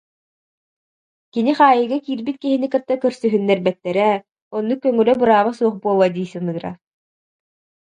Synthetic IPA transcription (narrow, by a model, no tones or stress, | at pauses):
kiniχaːjɯɡakiːɾbit̪̚kiɦinikɯt̪ːakœɾsyɦynːɛɾbɛt̪ːɛɾɛ | ɔnːukːœŋœlœbɯɾaːβasuɔχbuɔlˠad̪iːsɯnɯːɾa̰